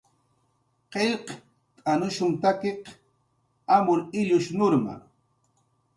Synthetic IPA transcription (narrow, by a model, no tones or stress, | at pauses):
qeʎq | t̪ʼanʊʃʊŋt̪akeq | amʊɾɪʎʊʃnʊɾma̰